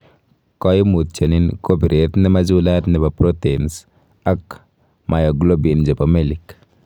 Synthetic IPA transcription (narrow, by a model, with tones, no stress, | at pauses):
kɔ˦ji˦mu˨t̚t͡ʃə˨ninko˦bi˨ɾe˨t̪nɛ˦ma˦d͡ʒula˦t̪nɛ˨ba˨pɾo˦tens | a˦k | mʔa˨jo˨ɡlo˦bind͡ʒe˨pamelik